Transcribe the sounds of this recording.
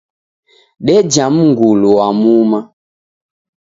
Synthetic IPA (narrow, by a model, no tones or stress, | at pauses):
ɗɛd͡ʒam̩ŋɡuluwamuma